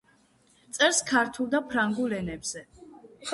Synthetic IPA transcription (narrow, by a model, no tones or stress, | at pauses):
t̪sʼɛɾskʰaɾt̪ʰulˠd̪apʰɾaŋɡulɛnɛbz̥ɛ